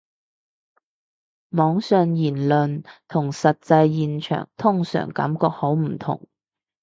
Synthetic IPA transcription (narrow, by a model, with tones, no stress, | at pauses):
mɔː˨˥ŋsœː˨˧ŋjiː˨˩nlɵ˨nt̪ʰʊ˨˩ŋsɐ˨t̚t͡sɐ˧jjiː˨˧nt͡ʃʰœ̰ː˨˩ŋt̪ʰʊ˥ŋsœ̰ː˨˩ŋkɐ̰˨˥mkɔː˧k̚ho˨˥wm̩˨˩t̪ʰʊ̰˨˩ŋ